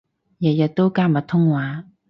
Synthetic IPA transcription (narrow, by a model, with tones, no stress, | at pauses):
ja˨ja˨t̪o˦ka˥˨ma˨t̪ʰʊ˥ŋwa˨˦